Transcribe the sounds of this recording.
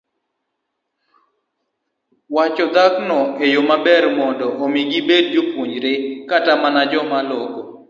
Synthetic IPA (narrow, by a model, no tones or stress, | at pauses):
wat͡ʃɔd̪aknɔejomabɛɾmɔndɔʔomiɡibed̚d͡ʒopwuɲɾekatamanad͡ʒɔmalɔkɔ